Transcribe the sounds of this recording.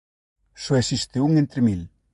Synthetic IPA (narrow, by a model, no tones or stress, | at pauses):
soesist̪euŋent̪ɾemil